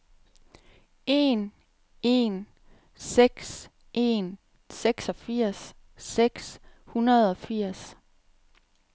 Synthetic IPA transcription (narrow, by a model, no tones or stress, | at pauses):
e̝n | e̝n | seɡ̥s | ʔe̝̰n | seɡ̥sɒ̽fiɐ̰sː | eɡ̥s | hunɐð̞ˠɒ̽fiɐ̰s